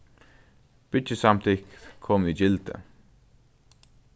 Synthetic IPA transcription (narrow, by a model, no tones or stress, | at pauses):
b̥ɪt͡ʃəsamt̪ʰɪkkʰːɔmid͡ʒɪlt̪ə̰